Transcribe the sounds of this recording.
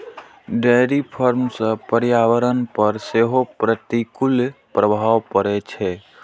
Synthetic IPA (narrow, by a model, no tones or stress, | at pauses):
ɖɛːɾipʰəɾmsəpəɾjaːʋəɾənpəɾseːɦopɾət̪ikʊlpɾəbʱaːʋpəɾet͡ʃʰeː